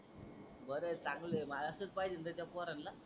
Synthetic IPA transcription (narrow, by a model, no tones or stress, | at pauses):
bəɾet͡saŋɡlemalasət͡spajd͡ʑənd̪ət̪japɔɾanla